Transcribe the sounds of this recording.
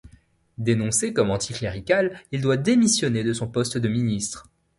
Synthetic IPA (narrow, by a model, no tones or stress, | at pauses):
d̪enɔ̃sekɔmɑ̃t̪ʰikleʁikʲalild̪wad̪emisjɔned̪əsɔ̃pɔst̪d̪əminist̪χ